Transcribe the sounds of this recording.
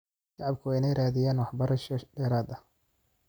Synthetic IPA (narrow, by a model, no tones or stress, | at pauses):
ʃɑʕɑb̚kʰʊɛjnɛjɾaːðɪjaːnwɑħbɐɾɐʃɔɖɛːɾaːd̪ɐ